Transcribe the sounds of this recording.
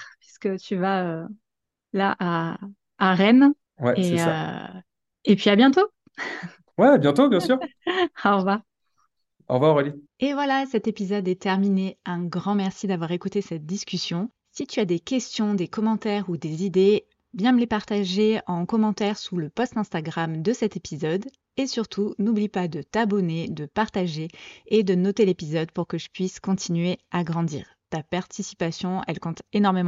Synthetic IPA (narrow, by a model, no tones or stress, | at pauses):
pɥiskət̪ʰyvaø | laʔaː | ʁɛn | wɛ̰esɛsøa̰ | epɥiabjɛ̃t̪o | wɛabjɛ̃t̪objɛ̃syʁ | va | ɑ̰̃vaɔʁelievwalasɛt̪epizɔd̪ɛt̪ɛʁmineɛ̃ɡʁɑ̃mɛʁsid̪avwaʁekut̪esɛt̪̚d̪iskʲysjɔ̃ | sit̪yad̪ekʲɛst̪jɔ̃d̪ekɔmɑ̃t̪ɛʁud̪ezid̪e | vjɛ̃məlepaʁt̪aʒeɑ̃kɔmɑ̃t̪ɛʁsuləpɔst̪ɛ̃st̪aɡʁamd̪əsɛt̪epizɔd̪ | esyʁt̪ʰunublipad̪ət̪abɔned̪əpaʁt̪aʒeːd̪ənɔt̪elepizɔd̪puʁkəʒəpɥiskɔ̃t̪ʰinɥeaɡʁɑ̃d̪ḭːʁt̪apaʁt̪ʰisi̥pasjɔ̃ɛ̰lkɔ̃t̪enɔʁmemɑ̃